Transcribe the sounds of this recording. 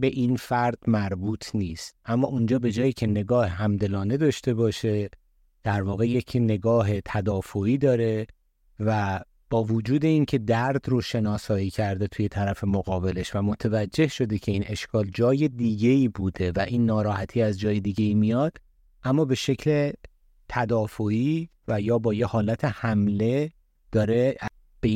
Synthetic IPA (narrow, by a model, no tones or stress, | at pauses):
be̞ʔinfæɾd̪̥mæɾbuːt̪ʰniːst̪̚ʔæmːɒːund͡ʒɒːbe̞d͡ʒɒːjiːcʰe̞ne̞ɡɒːhɦæmd̪e̞lɒːne̞d̪ɒːʃt̪e̞bɒːʃe̞ | d̪̥æɾvɒːɣe̞jecʰne̞ɡɒːɦe̞t̪ʰæd̪ɒːfoiːd̪ɒːɾe̞ | væ | b̥ɒːvod͡ʒuːd̪e̞incʰe̞d̪æɾd̪ɾoʃe̞nɒːsɒːjiːcʰæɾd̪e̞t̪ʰuːje̞t̪ʰæɾæfe̞moɣɒːbe̞le̞ʃvæmo̞t̪ʰevæd͡ʒːe̞hʃo̞d̪e̞cʰe̞iːnʔe̞ʃkʰɒːld͡ʒɒːje̞d̪iːɟe̞iːbuːd̪e̞væʔiːnːɒːɾɒːhæt̪ʰiːæzd͡ʒɒːjed̪iɟe̞iːmijɒːd̪̥ | ʔæmːɒːbe̞ʃe̞cʰle | t̪ʰæd̪ɒːfoiːvæjɒːbɒːjehɒːlæt̪ʰe̞hæmle̞ | d̪̥ɒːɾe̞ | b̥e